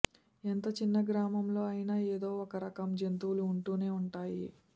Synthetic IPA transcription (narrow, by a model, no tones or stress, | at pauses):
ent̪ɐt͡ʃinːɐɡɾaːmɐmlo̞ːɐjinaːeːd̪o̞ːɔkɐɾɐkɐmd͡ʒent̪uwluːɳʈuːne̞ːuɳʈaːji